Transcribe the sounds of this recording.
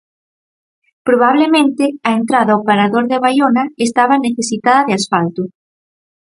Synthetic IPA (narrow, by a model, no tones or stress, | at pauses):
pɾoβaβ̞lemẽnt̪ɪaent̪ɾaðawpaɾaðoɾðɪaβajonaest̪aβaneθesit̪aðɐðɪasfalt̪ʊ